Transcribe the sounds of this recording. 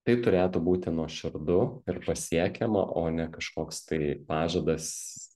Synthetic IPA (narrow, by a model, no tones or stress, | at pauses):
t̪ɐɪp̚t̪ʊɾʲeːt̪uːbuːt̪ʲɪnuɔʃʲɪɾd̪ʊɪrpɐsʲiɛkʲɛmɐ̰ʔoːnʲɛkɐʃkoːkst̪ɐɪpɑːʒɐd̪ɐs